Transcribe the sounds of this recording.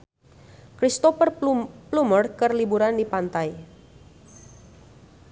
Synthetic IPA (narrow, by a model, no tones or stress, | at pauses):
kɾist̪ɔfərplumərkərlibuɾandipant̪aj